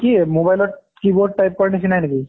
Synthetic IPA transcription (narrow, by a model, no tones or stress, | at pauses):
kimobajlɔ | kiboɖ̚ʈːajp̚kɔɹnit͡ʃʰinajneki